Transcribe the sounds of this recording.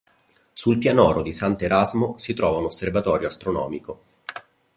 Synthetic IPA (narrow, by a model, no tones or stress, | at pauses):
sulpjanɔːɾod̪isant̪eɾazmosit̪ɾɔːvaunosːervat̪ɔːɾjoast̪ɾonɔ̰ːmiko